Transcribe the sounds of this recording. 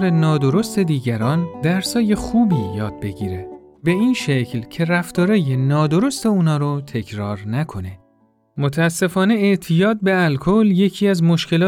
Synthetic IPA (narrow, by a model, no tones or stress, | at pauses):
ɾenɒːd̪o̞ɾo̞st̪e̞d̪iːɟæɾɒːnd̪æɾsɒːje̞xuːbiːjɒːd̪̚be̞ɟiːɾe | be̞iːnʃecʰlcʰe̞ræft̪ɒːɾɒːjenɒːd̪o̞ɾo̞st̪e̞uːnɒːɾot̪ʰe̞cʰɾɒːɾnækʰo̞ne̞ | mot̪ʰææsːe̞fɒːne̞eʔt̪ʰijɒːt̪̚be̞ælkʰolje̞cʰiːæzmo̞ʃce̞lː